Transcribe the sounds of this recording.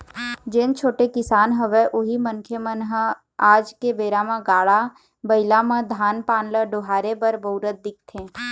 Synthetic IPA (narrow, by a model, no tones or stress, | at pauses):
d͡ʒent͡ʃʰoːʈekɪsaːnɦəʋeʔʊɦimə̃ŋkʰjəmənɦə | aːd͡ʒkebeːɾamãɡaːɭa | bəɪlamə̃d̪ʱaːnpaːnləɖoːɦaːɾebəɾboʊɾət̪̚d̪ɪk̚t̪ʰẽː